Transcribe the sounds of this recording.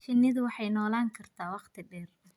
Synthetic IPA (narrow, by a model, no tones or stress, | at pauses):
ʃɪnːɪðʊwɑħɑjnɔːlaːŋkʰɐrt̪ʰaːwɑqt̪ʰɪɖɛːr